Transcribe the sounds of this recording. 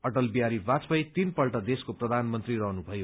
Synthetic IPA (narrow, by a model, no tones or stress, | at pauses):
ʌʈʌlbiaɾibat͡spʌjt̪inpʌlʈʌd̪eskoprʌd̪ʱanmʌnt̪riɾʌɦnubʱʌjo